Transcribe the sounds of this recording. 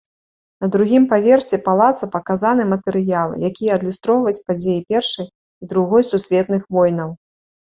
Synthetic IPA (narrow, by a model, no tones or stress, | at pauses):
nɐd̪ɾuɣʲimpavʲɛrsʲɛpalˠat̪sɐpɐkazanɨmɐt̪ɛɾɨjalˠɨ̰jakʲijɛɐd̪lʲust̪ɾɔwvɐit͡sʲpad͡zʲejipʲɛrʂɐj | id̪ɾuɣɔjsusʲvʲɛt̪nɨxvɔjnɐw